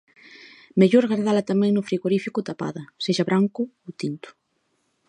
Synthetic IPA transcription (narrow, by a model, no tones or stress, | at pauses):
meʎoɾɣaɾðalɐt̪amɛ̃ŋnʊfɾiɣoɾifikʊt̪apa̰ðɐseʃɐβɾaŋkʊowt̪int̪ʊ̥